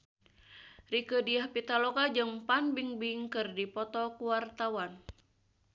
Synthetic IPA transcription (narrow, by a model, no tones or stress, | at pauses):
rikədiahpit̪alokad͡ʒɨŋpanbiŋbiŋkɨrdipɔt̪ɔkuwart̪awan